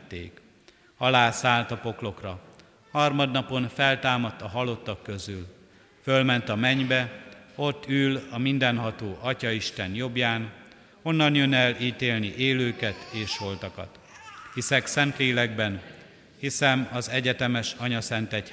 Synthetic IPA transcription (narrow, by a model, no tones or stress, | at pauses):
t̪ːḛːk | ɒlaːsaːlt̪ɒpo̞klo̞krɒ | hɒrmɒd̪nɒpo̞nfɛlt̪aːmɒt̪ːɒɦɒlo̞t̪ːɒkːø̞zyl | følmɛnt̪ɒmɛɲbɛo̞t̪ːyːlɒmind̪ɛnɦɒt̪oːʔɒcɒiʃt̪ɛnjo̞bjaːn | o̞nːɒnjønɛliːt̪eːlniʔeːløːkɛt̪eːʃho̞lt̪ɒkɒ̰t̪ | hisɛksɛnt̪leːlɛɡbɛn | hisɛmɒzɛɟɛt̪ɛmɛʃɒɲɒsɛnt̪ɛc